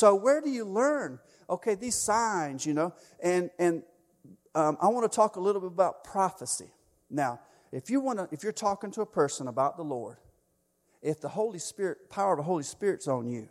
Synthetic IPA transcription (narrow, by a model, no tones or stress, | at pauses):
soʊwə˞dɨjɨlɜ̃˞n | ʔoʊkʰeɪðiz̥sãɪ̃nzjɨnoʊ | ɨ̃nɨ̃n | ʌ̃mʔa̰ɪwɑ̃nətʰɔkəlɪɾl̩ˠbɪɾəbaʊt̚pʰɹ̥ɑfəsḭ | naʊ | ɨfjɨwɑ̃nəʔɨfjə˞tʰɔkɪ̃ŋtʰəːpʰɜ˞sə̃nəbaʊt̪̚ðəlɔ̰ɹd̥ | ɪfðəhoʊlˠispɪɹɨt̚pʰaʊə˞ʌvðəɦoʊlˠispɪɹɨtsn̩jɨ̰